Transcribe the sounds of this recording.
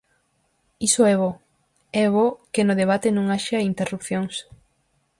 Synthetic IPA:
isoɛβɔ | ɛβokɪnʊðeβ̞at̪ɪnõŋaʃaint̪erupθjoŋs

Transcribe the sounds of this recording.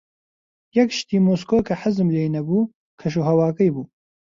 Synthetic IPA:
jɛkʃt̪iːmoːskoːkʰɐħɪzɨmlejnɐbuː | kʰɐʃ̬uɦɐwɑːkɐjbuː

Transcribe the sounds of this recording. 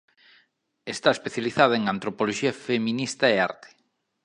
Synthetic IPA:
est̪aespeθjaliθaðaeŋant̪ɾopoloʃiɐfemĩnist̪ɐea̰ɾt̪e̥

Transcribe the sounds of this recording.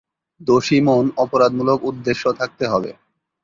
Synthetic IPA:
d̪oʃimonɔpoɾad̪mulokud̪ːeʃːot̪ʰak̚t̪eɦɔbḛ

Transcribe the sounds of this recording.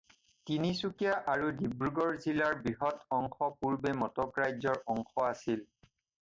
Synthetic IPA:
tinisukijaʔaɹudibɹuɡɔɹzilaɹbɹiɦɔtɔŋxʰɔpuɹbɛmɔtɔpɹajzɔɹʔɔŋxɔasil

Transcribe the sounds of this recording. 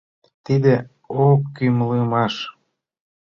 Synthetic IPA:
t̪id̪e | okːymlemɑʃ

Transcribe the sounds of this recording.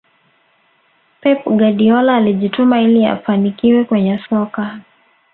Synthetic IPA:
pɛpɡaɗiɔlaːliʄitumailia̰fanikiwɛkwɛɲɛsɔka

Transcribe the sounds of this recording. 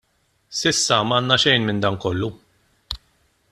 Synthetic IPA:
sɪsːɐmɐːnːɐʃɛjnmɪnd̪ɐːnkɔlːu

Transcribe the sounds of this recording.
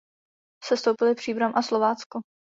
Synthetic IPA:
sɛst̪owpɪlɪpr̝̥iːbɾamʔaslovaːt͡sko

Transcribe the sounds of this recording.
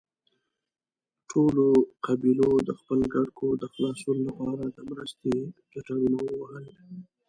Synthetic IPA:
ʈʰoloqabilod̪əxpəlɡaɽkʰod̪əxlɑsunolapɑɾad̪əmɾəst̪ekaʈaɽunowəwəhəl

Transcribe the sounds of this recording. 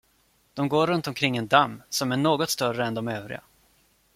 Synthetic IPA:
d̪̥ɔmɡoːɾɵnt̪ɔmkʰɾɪŋːɛnd̪amːsɔmæɳoːɡɔt̪st̪œrəɛnd̪ɔmøːvɾɪ̰ɡa̰

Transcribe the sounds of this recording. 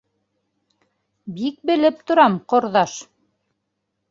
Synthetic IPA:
bik̚bɘ̆lɘp̚t̪ŏɾɑmqŏɾðɑʃ

